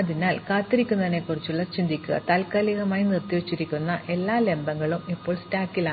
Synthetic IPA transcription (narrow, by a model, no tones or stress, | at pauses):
ɐðinaːlkaːt̪ːiɾikʲːunɐðɐnːe̞kːurit͡ɕːuɭːɐt͡ɕind̪ʱikʲːuɣɐ̰t̪alkaːliɣɐmaːjnirt̪iʋet͡ɕːiɾikʲːunːɐʔʔe̞lːaːle̞mbɐŋːɐɭumipːo̞ːɭstaːkːilɐaː